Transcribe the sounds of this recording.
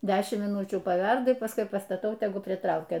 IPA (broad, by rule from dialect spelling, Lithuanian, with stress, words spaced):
ˈdʲæːʃʲɪmt mʲiːˈnʊt͡ʃʲuː pɐˈʋʲɛrdɐ pɐsˈkʊɪ pɐstɐˈtɐʊ tʲɛˈɡʊ pʲrʲɪˈtrɐʊkʲɛ